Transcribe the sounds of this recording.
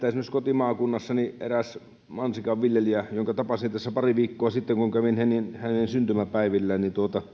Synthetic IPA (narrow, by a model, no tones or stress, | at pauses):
t̪æsimːoskot̪imɑːkunːɑsːɑniʔḛræs | mɑnsikɑʋʋiljeliæjoŋkɑt̪ɑpɑsit̪æsːæpɑriʋiːkːoɑsit̪ːeŋkuŋkæʋinhæninhænensynt̪ymæpæˑiʋilːæːnnint̪uot̪ɑ